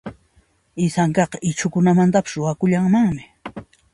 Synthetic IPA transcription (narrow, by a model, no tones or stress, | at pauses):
ɪsaŋkɑqɑʔɪt͡ʃʰʊkʊnamant̪apɪ̥sɾʊwakʊʎaŋmaŋmɪ